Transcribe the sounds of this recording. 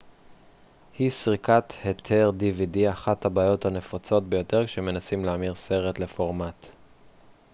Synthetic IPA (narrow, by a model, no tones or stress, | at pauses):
hisʁikat̪hetʰeʁdividiaχathabaːjo̞thane̞fat͡so̞t̚be̞jo̞te̞ʁkʃe̞me̞nasimleamiʁse̞ʁetle̞fo̞ʁmat